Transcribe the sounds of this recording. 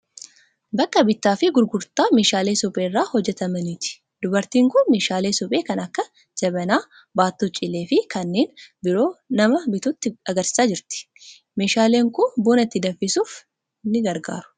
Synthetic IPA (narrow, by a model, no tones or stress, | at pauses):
bɐkːɐbɪt̪ːaːfɪɡʊɾɡʊɾt̪aːme̞ːʃaːle̞ːsɔpʼe̞ːrːaːhɔd͡ʒːɛt̪ɐmɐnɪt̪ɪ̥ | d̪ʊbɐɾt̪iːŋkʊnme̞ːʃaːleːsɔpʼeːkɐnɐkːɐ | d͡ʒɐbɐnaː | baːt̪ːut͡ʃʼːɪlːeːfɪkɐnːe̞ːnbɪɾo̞ːnɐmɐbɪt̪ʊt̪ːɪɐɡɐɾsɪ̥saːd͡ʒɪɾt̪ɪ̥ | me̞ːʃaːleːŋkʊbuːnɐt̪ːɪd̪ɐfɪsuːf | nɪɡɐɾɡa̰ːɾʊ̥